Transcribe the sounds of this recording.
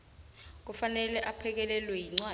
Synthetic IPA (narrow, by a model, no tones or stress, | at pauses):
k̬ufanɛlɛʔapʰɛk̬ɛlɛlwɛjiŋ͡ǀwa